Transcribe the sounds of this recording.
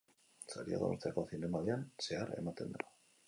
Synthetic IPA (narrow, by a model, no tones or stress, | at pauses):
saɾia̰ðoṵɾt̪eako̞θine̞maðeanse̞aɾe̞̰mat̪e̞nd̪ao